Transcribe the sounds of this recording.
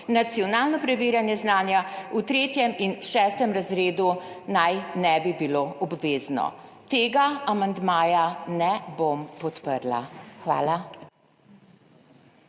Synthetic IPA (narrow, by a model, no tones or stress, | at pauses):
nat̪sijɔnaːlnɔpɾɛʋiːɾjanjɛznaːnjaut̪ɾeːt̪jɛminʃɛːst̪ɛmɾazɾeːd̪unajnɛbibiloʔɔbʋeːznɔ̰t̪eːɡaamand̪maːjanɛbompɔt̪pəɾla̰xʋa̰ːla